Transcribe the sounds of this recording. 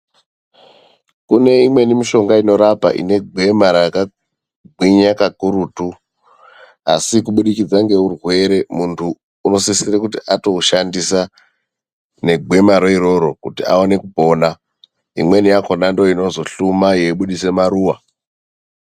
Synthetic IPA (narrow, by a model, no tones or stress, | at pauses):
kune̞imwe̞nimiʃo̞ŋɡaino̞ɾapa̰ʔḭne̞ɡʱwe̞maɾaka | ɡʱwiɲakakuɾutu | a̰sikuɓuɗikid͡zaŋɡe̞urwe̞ɾe̞muntʰuː | no̞sisirekutiʔato̞uʃandisa | ne̞ɡʱwe̞maɾoiɾo̞ɾo̞kutia̰one̞kupo̞ːna | imwe̞nijako̞nando̞ino̞zo̞ɬumaje̞iɓuɗise̞maɾuːwa